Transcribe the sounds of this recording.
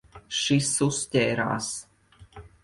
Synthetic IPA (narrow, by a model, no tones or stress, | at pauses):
ʃisustʲɛːɾa̰ːs